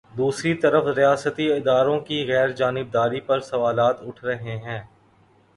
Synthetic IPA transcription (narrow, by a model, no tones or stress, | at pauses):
d̪uːsɾit̪ɐɾəfɾijaːsət̪iɪd̪aːɾõkiɣɛːɾd͡ʒaːnɪb̚d̪aːɾipɐɾsɐʋaːlaːt̪ʊʈʰɾɐɦeɦɛ̃ː